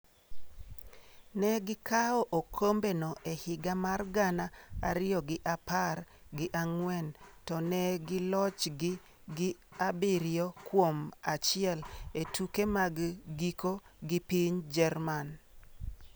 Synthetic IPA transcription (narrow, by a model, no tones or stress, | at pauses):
nɛɡɪkaɔʔokʰombenɔʔehɪɡamarɡanaa̰ɾɪjɔɡɪʔaparɡɪʔaŋwɛntɔnɛɡɪlɔt͡ʃɡɪ | ɡɪabiɾjɔkwomat͡ʃɪɛletukemaɡɡikoɡɪpiɲd͡ʒɛrman